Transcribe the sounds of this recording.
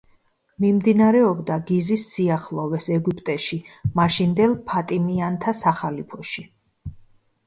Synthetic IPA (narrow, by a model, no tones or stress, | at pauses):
mimd̪inaɾɛɔbd̪aɡizisːiaχlˠɔvɛsɛɡupʼt̪ʼɛʃimaʃind̪ɛlˠpʰat̪ʼimiant̪ʰasaχalipʰɔʃi